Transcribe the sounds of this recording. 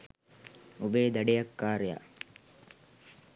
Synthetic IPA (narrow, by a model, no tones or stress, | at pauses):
ubeːd̪ɐɖejɐkːaːɾeja̰